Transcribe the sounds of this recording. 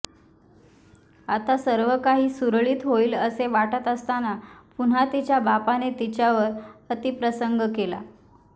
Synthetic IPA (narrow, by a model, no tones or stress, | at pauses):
at̪asəɾʋəkaɦiːsuɾɭiːt̪ɦoiːləseʋaʈət̪əst̪anapun̤at̪it͡ɕjabapanet̪it͡ɕjaʋəɾət̪ipɾəsəŋɡəkela̰